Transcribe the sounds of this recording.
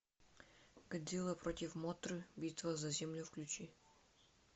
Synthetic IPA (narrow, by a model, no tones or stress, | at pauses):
ɡ̥ɐd̪ʲilˠəpɾotʲɪfmot̪ɾɨbʲit̪vəzɐzʲemlʲʊfklʲʉt͡ɕi